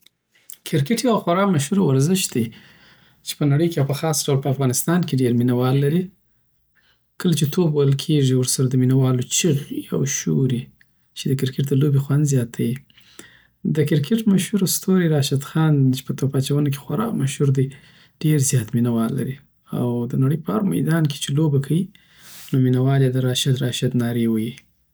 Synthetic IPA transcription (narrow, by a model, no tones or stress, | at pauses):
kʰɪɾkɪʈjawxaɾɑmaʃhuɾawaɾzɪʃd̪ej | t͡ʃe̥pənaɽəjkeapəxɑsɖawlpəafɣɑnɪst̪ɑnkeɖeɾminawɑlːaɾi | kəlat͡ʃet̪ʰobajəlkʰeʐiwʊɾsaɾad̪əminawɑlot͡ʃiɣa̰wʃuɾi | t͡ʃed̪əkɪɾkɪʈ̚d̪əlobexwand̪zjɑt̪ʰaji | d̪əkɪɾkʰɪʈmaʃhuɾst̪oɾiɾɑʃad̪xɑnt͡ʃe̥pət̪opɑt͡ʃawənak̬e̥xwaɾɑ̰kmaʃhuɾd̪i | ɖ̥eɾzjɑt̪minawɑlːa̰ɾi | awd̪ənaɽəjpəhaɾma̰jd̪ɑnkʰe̥t͡ʃelobakʰawi | nominawɑljed̪əɾɑʃad̪ɾɑʃad̪nɑɾewəji